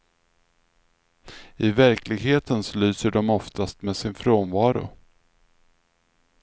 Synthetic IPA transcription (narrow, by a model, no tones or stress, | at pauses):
ɪvæɾklɪɡɦheːt̪ənslyːsəɖɔmɔft̪ʰast̪meːsɪnfɾoːnvɑːɾʊ̰